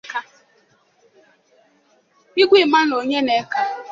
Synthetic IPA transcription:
ka˦ | i˦ɡʷi˦˨ma˦n˨o˨ɲe˦ne˨˦ka˦

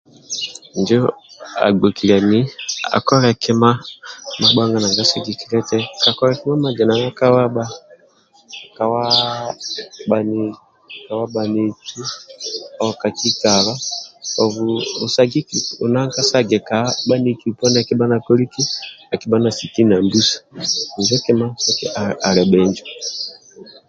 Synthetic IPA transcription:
nd͡ʒɔ˦a̰˨ɡ͡bɔ˨ki˨la˨ni˦a̰˨kɔ˦ɾɛ˨kɛ˦ma˦ma˦ɓa˦ŋɡa˦na˨ŋɡa˦sa˦ɡi˨ki˦ɾɛ˦tɛ˦ka˨kɔ˦ɾɛ˨kɛ˦ma˦ma˨d͡ʒɛ˨na˨ŋa˦ka˦wa˦ɓa˦ | ka˨wa˦ | ɓa˨ni˨ | ka˨wa˦ɓa˨ni˨ki˦ | ɔka˨ki˦ka˨βa˦ɔ˨vu˨u˨sa˨ɡi˦ki˨u˨na˦ŋka˦sa˦ɡɛ˨ka˨ɓa˦ni˦ki˨u˨pɔ˦n˦a˨ki˦ba˦na˨kɔ˦li˦ki˦a˨ki˦ba˦na˨si˨ki˦na˨mbu˦sḁ˨i˨d͡ʒɛ˦kɛ˦ma˦sa˦ki˦aa˨lɛ˨ɓɛ˨ɲd͡ʒɔ˨

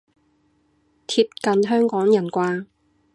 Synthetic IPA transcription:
t̪ʰiː˧p̚kɐ˨nɦœː˥ŋkɔː˨˥ŋjɐ˨˩nkʷaː˧

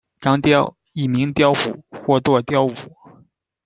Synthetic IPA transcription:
ʈ͡ʂɑ˥ŋt̪jɑ˥˧ʊ | i˥˩mi˧˥ŋt̪jɑ˥ʊxṵ˨˩˦xwɔ˥˩t͡swɔ˥˩t̪jɑ˥˩ʊu˨˩˦

